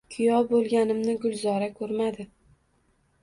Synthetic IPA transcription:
kʰʊjɒbolˠɡʲanɪmnɪɡʊlˠzɒɾakʰɵɾmad̪ɪ

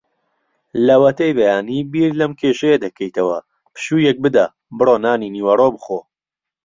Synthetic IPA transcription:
lɐwɐt̪ɐjbɐjaːniːbiːɾlɐmkʰeʃɐjɐd̪ɐkʰɐjt̪ɐwɐ̰ | pɨ̥ʃuːjɛk̚bɨd̪aː | bɨroːnaːniniːwɐrobɨxo

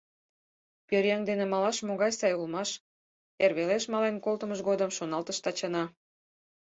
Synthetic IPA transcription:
pøɾjɑŋd̪enemɑlɑʃmoɣɑjsɑjulmɑʃ | erβeleʃmɑlenkolt̪əməʃɣod̪əmʃonɑlt̪əʃt̪ɑt͡ɕɑnɑ

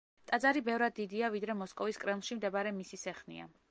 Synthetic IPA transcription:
t̪ʼad̪zaɾibɛvɾad̪ːid̪iavid̪ɾɛmɔskʼɔviskʼɾɛmlˠʃimd̪ɛbaɾɛmisisɛχnḭa̰

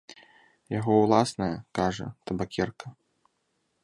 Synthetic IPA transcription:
jaɣɔwlˠasnɐjɐkaʐɐ̰t̪ɐbakʲɛrkɐ

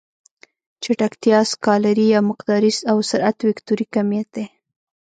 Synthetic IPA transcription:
t͡ʃaʈakt̪jɑskɑlaɾijɑmɪqd̪ɑɾizawsaɾat̪wɪkt̪uɾikamjat̪̚d̪e

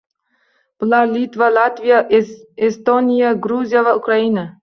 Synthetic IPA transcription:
b̥ɨlˠalʲit̪valat̪vʲijaʔest̪onʲijaɡɾuzʲijavaukɾaina

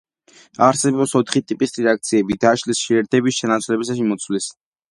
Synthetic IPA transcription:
aɾsɛbɔpsɔt̪ʰχit̪ʼipʼisɾɛak̚t̪sʰiɛbid̪aʃlisʃiɛɾt̪ʰɛbisʃɛnat̪sʰwlɛbisaʃimɔt̪sʰwlis

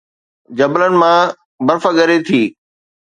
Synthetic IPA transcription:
d͡ʑɐblənɪ̆mã | bɐɾfəɠɐɾet̪ʰiː

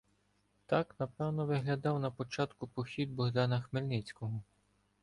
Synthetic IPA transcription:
t̪ɑknɐpɛwnɔʋɪɦlʲɐd̪ɑwnɐpɔt͡ʃɑt̪kʊpɔxʲid̪̚bɔɦd̪ɑnɐxmelʲnɪt͡sʲkɔɦɔ

